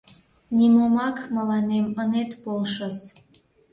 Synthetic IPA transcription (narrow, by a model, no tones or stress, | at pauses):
nʲimomɑkməlɑnemənet̪polʃəs